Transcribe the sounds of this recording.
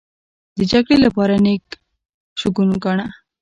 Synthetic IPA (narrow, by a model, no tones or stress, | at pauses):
d̪əd͡ʒaɡɽelapɑɾanek | ʃʊkunɡaɳa